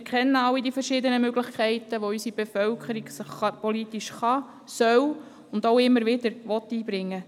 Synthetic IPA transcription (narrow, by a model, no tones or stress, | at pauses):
ɪɾkʰχɛnːəɑlːidifəɾʃɪd̪ənəmøɡlɪχkʰɛɪtəʋoysib̥efœwkʰəɾiɡsəχɑpɔlitiʃχɑ | sœw | ʊndoʊɪmːəɾʋɪdəɾʋɔt̪ːiːbɾɪŋːə